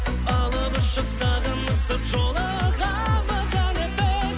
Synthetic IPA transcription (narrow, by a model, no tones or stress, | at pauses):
ɑlˠəbəʃəqsɑʁənəsəpʒolˠə | ʁɑ | bɑzɑnebe